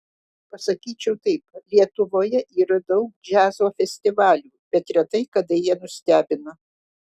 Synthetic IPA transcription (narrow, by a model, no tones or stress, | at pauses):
pɐsɐkʲiːt͡ʃʲɛʊt̪ɐɪplʲiɛt̪ʊʋoːjɛʔiːɾɐd̪ɐʊkd͡ʒʲæːzoːfʲɛsʲt̪ʲɪʋɑːlʲuːb̥ʲɛt̪ɾʲɛt̪ɐɪkɐd̪ɐjiɛnʊsʲt̪ʲæːbʲɪnɐ